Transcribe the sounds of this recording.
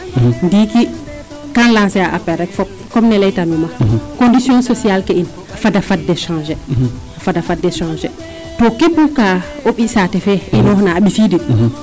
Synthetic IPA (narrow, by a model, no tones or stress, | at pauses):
ndiki | kanlãnsɛaʔapɛɾɛkfɔp̚ | kɔmnɛlɛjtamimakondisjɔ̃nsɔsialkɛin | afadafad̚dɛʃãːʒɛ | afadafadːɛʃãnʒɛ | tɔkepːukaoɓisatɛfɛʔinɔhnaːɓisidi